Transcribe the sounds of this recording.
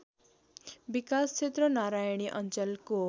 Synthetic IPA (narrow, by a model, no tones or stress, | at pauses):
bikast͡ʃʰet̪ɾʌnaɾajɽ̃iʔʌnt͡sʌlko